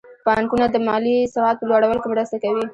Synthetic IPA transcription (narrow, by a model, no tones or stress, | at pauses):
pɑŋkunad̪əmɑlisaɑt̪̚pəlwaɽawəlkɪmɾəst̪akawi